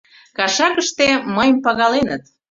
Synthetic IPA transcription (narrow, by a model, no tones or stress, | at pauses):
kɑʃɑkəʃt̪eməjmpɑɣɑlenət̪